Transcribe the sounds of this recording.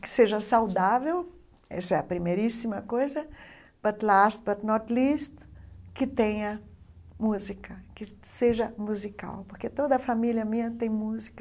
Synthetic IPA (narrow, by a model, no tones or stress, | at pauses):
kɪ̥seʒɐsawd̪avew | ɛ̰sɐɛɐpɾimejɾisimɐkojzɐ | b̥ɐt̪last̪̚bɐt̪nɔt̪list̪kɪt̪ẽɲɐ | muzikɐkɪseʒɐmuzika̰wpoɾket̪od̪ɐfamiljɐmĩɲɐt̪ẽj̃muzikɐ